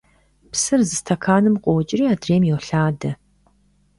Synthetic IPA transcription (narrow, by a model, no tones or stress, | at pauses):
psɨrzɨstʰɐkʰaːnɨmqʷʼɔwt͡ʃʼɪriːaːdreːmjɛwɬaːdɐ